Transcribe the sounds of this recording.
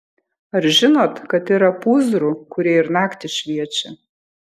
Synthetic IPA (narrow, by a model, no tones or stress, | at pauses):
ɐɾʒʲɪnoːt̪kɐt̪iɾɐpuːzɾuːkʊɾʲiɛɪɾnɑːkt̪ʲɪʃʲʋʲiɛt͡ʃʲɛ